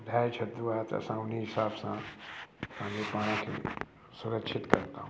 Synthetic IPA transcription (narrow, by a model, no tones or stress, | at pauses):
d̪ʱaːjt͡ʃʰɐt̪ːuaat̪ɐ̰sãʊniɦɪsaːbsã | kãːipaːɽ̃ãkʰḭ | sʊɾəkʃʰɪt̪kɐɾt̪aɦũ